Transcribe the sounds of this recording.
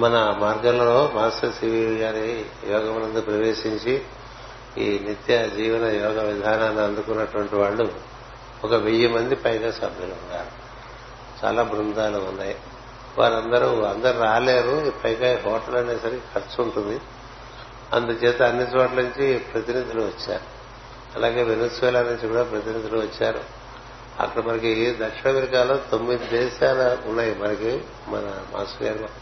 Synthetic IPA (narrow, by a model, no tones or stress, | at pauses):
mɐnɐmaːɾɡɐllɐlo̞ːmaːsʈɐɾsiːʋiɡaːɾijɔːɡɐmɐnɐnd̪upɾɐʋeːʃiɲt͡ʃi | ḭːnit̪jɐd͡ʒiːʋɐnɐjɔːɡɐʋid̪ʱaːnaːniɐnd̪ukunːɐʈuʋɐɳʈiʋaːɭːu | ɔkɐʋejːɐmɐnd̪ipɐjɡaːsɐbʱjɐluuɳɖaːɾu | t͡ʃa̰ːlaːbɾund̪aːluːnːaːji | ʋa̰ːɾɐnd̪ɐɾuɐnd̪ɐɾuɾaːle̞ːɾuipɐjɡaːiɦɔːʈɐlɐɳeːsɐɾkʰɐɾsuuɳʈund̪i | ɐ̰nd̪ut͡ʃɛːt̪eɐnːit͡ʃoːʈlɐnuɲt͡ʃipɾɐt̪inid̪ʱiluʋɐt͡ʃːa̰ːɾu | ɐ̰laːɡe̞ːʋenesʋɛːlaːnuɲt͡ʃikuːɽaːpɾɐt̪inid̪ʱiluʋɐt͡ʃːaːɾṵ | ɐ̰kːɐɽɐmɐnɐkid̪ɐkʂiɳɐʋɐɾiɡaːloːt̪omːid̪id̪ɛːʃaːlɐunːaːjimɐnɐki | mɐ̰nɐma̰ːsjaːɾ